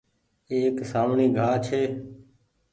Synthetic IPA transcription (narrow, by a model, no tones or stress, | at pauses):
eːksaːmɳiːɡʱaːt͡ʃʰeː